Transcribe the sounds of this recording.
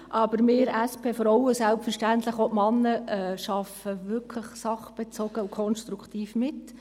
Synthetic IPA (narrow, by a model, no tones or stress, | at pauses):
ʔɑb̥əɾmɪːɾæspʰeːfɔɾɔwəsælpfɛɾʃtænt̪ləχotmɑnːəɛːʃɑfəʋʏɾkʰləχsɑχb̥ɛt͡soɡ̥əʊkʰɔnʃtɾukʰtiːfmɪt